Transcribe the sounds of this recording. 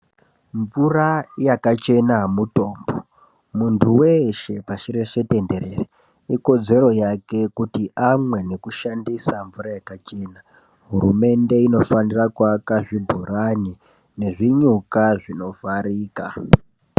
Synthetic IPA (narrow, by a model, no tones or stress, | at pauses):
ɱvurajakat͡ʃe̞namuto̞ːmbo̞ | muntʰuweʃe̞paʃiɾeʃe̞te̞nde̞ɾe̞re | iko̞d͡ze̞ɾo̞jake̞kutiʔamwe̞ne̞kuʃandisaɱvuɾajakat͡ʃe̞na | ɦurume̞nde̞ino̞fanirakwakaʐibʱuɾani | ne̞ʐiɲukaʐino̞faɾiːka